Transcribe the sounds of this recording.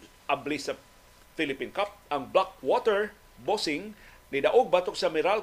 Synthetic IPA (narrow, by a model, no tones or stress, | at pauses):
ʔablisɐ | fɪlɪpinkap̚ɐŋblak̚wot̪ɛɹ | bosɪŋnɪd̪ɐʔoɡ̚bat̪ʊk̚sɐmɪɾal